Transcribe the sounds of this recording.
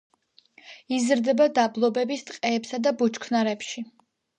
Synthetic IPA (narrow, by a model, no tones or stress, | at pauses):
izɾd̪ɛbad̪ablˠɔbɛbist̪ʼqʼɛːpsad̪abut͡ʃkʰnaɾɛpʃi